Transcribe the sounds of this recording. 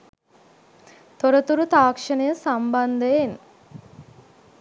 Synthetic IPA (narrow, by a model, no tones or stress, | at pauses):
t̪oɾət̪uɾut̪aːkʂənəjəsamband̪əjen